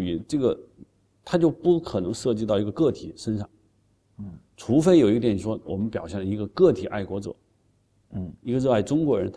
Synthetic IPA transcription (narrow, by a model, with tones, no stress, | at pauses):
y˧˥ʈ͡ʂɤ˥˩ɡə˩ | t̪ʰa˥t͡ɕjo˥˧ʊpu˥˩kʰɤ˨˩nɤ˧˥ŋʂɤ˥˧t͡ɕi˥˧t̪ɑ˥˩ʊi˧˥ɡə˧kɤ˥˩t̪ʰḭ˨˩˦ʂə˥nʂɑ˥˩ŋ | ʈ͡ʂʰu˧˥fe˥ɪjo˨˩ʊi˥t̪jɛ˨˩n˩ʂwɔ˥wɔ˨˩mə˦npjɑ˨˩ʊɕjɛ˥˩nlə˩i˧˥ɡə˧kɤ˥˩t̪ʰi˨˩˦ʔa˥˩ɪkwɔ˧˥t͡sɤ̰˨˩˦ | i˧˥ə˧ɻ̩˧a˥˩ɪʈ͡ʂʊ˥ŋkwɔ˧˥ɻə˧˥nt̪ʰ